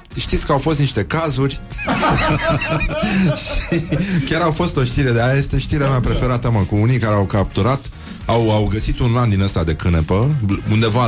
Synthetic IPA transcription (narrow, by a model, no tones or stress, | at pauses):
ʃt̪it̪sʲkəawfo̞st̪niʃt̪e̞kazurʲ | ʃikʲaɾawfo̞st̪o̞ʃt̪iɾe̞d̪eajaje̞st̪e̞ʃt̪iɾeameapɾe̞fe̞ɾat̪aməkuunijkaɾeawkap̚t̪uɾat̪ | awawɡəsit̪unland̪inəst̪ad̪e̞kɨnepəund̪e̞va